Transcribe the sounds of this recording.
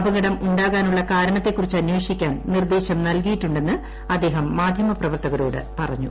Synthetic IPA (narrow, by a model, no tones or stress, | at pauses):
bɐŋɡɐɽɐmuɳɖaːɣaːnuɭːɐkaːɾɐɳɐt̪ːe̞kːurit͡ɕːɨɐnjweːʂikʲːaːnnird̪eːɕɐmnɐlkijiʈːuɳɖe̞nːɨ | ɐd̪ːe̞ːɦɐmːaːd̪ʱjɐmɐprɐʋɐrt̪ɐɣɐɾoːɽɨ̰pɐrɐ̰ɲːṵ